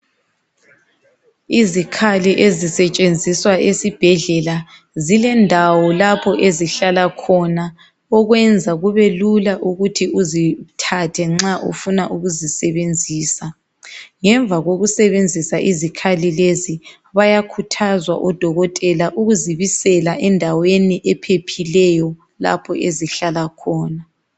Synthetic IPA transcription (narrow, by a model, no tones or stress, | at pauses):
izikʰaliʔezisɛt͡ʃʼend͡zʱiswaʔesib̥ʱɛɮɛla | zilɛndʱawɔlapʰɔʔeziɬalakʰɔna | ɔɣwɛnd͡zʱaɣuβelulaʔuɣutʰiʔuzitʰatʰɛŋ͡ǁaʔṵfunaʔuɣuzisɛβend͡zʱiːsa | ŋɛɱb̪vaɣoɣusɛβend͡zʱisaʔizikʰalilezi | βajakʰutʰazwa̰ʔɔd̥ʱɔɣɔtʼɛlaʔuɣuziβisɛlaʔɛndʱaweniʔɛpʰepʰilɛjɔ | la̰pʰɔʔeziɬalakʰɔːna